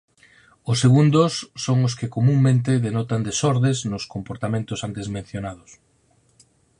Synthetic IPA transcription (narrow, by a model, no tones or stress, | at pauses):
ʊsːeɣund̪ʊsːoŋʊskɪkomuŋmẽnt̪eðenɔt̪and̪esɔɾðeznʊskompoɾt̪amẽnt̪ʊsant̪ezmẽn̟θjonaðʊs